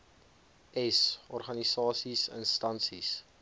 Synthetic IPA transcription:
ɛsɔrχɐnisɑːsisə̰nstɐnsis

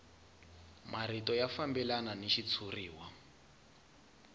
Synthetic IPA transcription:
mʔaritɔjafambɛlananiʃit͡sʰuriːwa

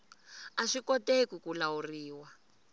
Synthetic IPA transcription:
aʂikɔtekukulauriːwa

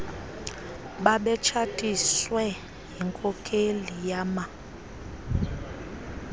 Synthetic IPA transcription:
ɓaɓɛt͡ʃʰatʼiswɛ | jiŋkʼɔkʰʼelijama

